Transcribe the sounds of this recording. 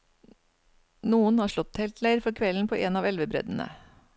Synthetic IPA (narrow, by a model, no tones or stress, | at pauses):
nuːənhɑːʂɭɔt̪ːhɛːlt̪læɪɾfɔɾkʰʋɛln̩pʰoːʔeːnɑːʋɛlʋəbɾœ̰d̪n̩ə̰